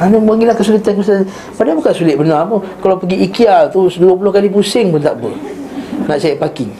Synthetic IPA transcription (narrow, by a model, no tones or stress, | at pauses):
anabaŋɡilahkəsulit̪ankisə | padabukansulɪt̪̚bənamukalapəɡiikialt̪usduap̬ulohkalip̬usɪŋpʊnt̪aʔbə | naʔsaiʔ̚pakiŋ